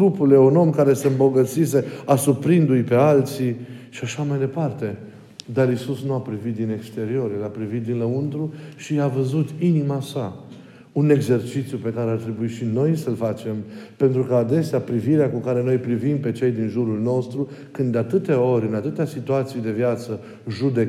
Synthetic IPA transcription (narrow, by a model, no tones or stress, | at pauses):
ɡɾupule̞ouno̞mkaɾe̞se̞ɨmbo̞ɡət̪sise̞asupɾind̪ujpe̞alt̪siʃiaʃamajd̪e̞part̪e̞ | d̪aɾisusnuapɾivit̪̚d̪ine̞kst̪e̞ɾio̞ɾjelapɾivit̪̚d̪inləunt̪ɾuʃiavəzut̪inimasa | une̞ɡze̞rt͡ʃit̪sjupe̞kaɾeart̪ɾe̞buiʃino̞jsəlfat͡ʃe̞mpe̞nt̪ɾukəad̪e̞seapɾiviɾeakukaɾe̞no̞jpɾivimpe̞t͡ʃe̞jd̪inʒuɾulno̞st̪ɾu | kɨnd̪eat̪ɨt̪eo̞ɾʲɨnat̪ɨt̪easit̪uat̪sijd̪e̞vjat̪sə | ʒud̪e̞k